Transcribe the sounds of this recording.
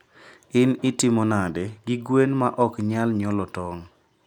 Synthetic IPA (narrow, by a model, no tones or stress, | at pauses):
ɪnɪtɪmonadɛɡiɡwenmaʔɔkɲalɲɔlɔtɔŋ